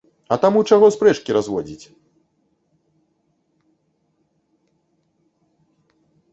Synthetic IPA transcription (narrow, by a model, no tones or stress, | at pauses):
ɐt̪amut͡ʂaɣɔspɾɛt͡ʂkʲiɾazvɔd͡zʲit͡sʲ